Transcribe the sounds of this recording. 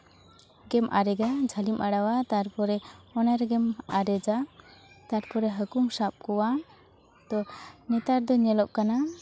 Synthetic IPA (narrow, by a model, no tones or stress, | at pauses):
ɡɛmʔaɾɛɡad͡ʒʱəlimʔaɽawat̪aɾpɔɾɛɔnaɾɡɛmaɾɛd͡ʒa | t̪aɾpɔɾɛɦəkuŋsap̚kɔwa | t̪ɔnɛt̪aɾd̪ɔɲɛlɔʔ̚kana